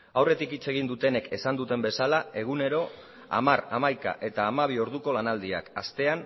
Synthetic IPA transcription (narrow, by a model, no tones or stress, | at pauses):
awre̞t̪ikit͡se̞ɣ̞ind̪ut̪e̞ne̞ke̞sand̪ut̪e̞mbe̞salae̞ɣ̞une̞ɾo̞ | a̰maɾamajka̰ʔe̞t̪aːmaβ̞io̞ɾð̞uko̞lanald̪ia̰ka̰st̪e̞an